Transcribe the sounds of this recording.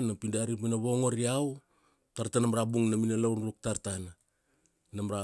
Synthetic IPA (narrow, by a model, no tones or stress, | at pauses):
napindaɾipinaβo̞ŋoɾiaw | taɾtanamaɾabuŋnaminalownɾuk̚taɾtanː | amaɾa